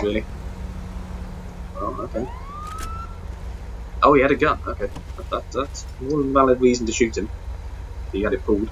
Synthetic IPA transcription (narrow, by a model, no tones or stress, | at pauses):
ɹɪːlˠi | o̰ʊo̰ʊkʰeɪ | ʔoʊijæɾɨɡʌno̰ʊkʰeɪðəðatðats | wʌ̃nvalɪd̚ɹiːzn̩təʃʉˑt̚hɪ̃m | ðəjəəɾɪt̚pʰuːlˠd̥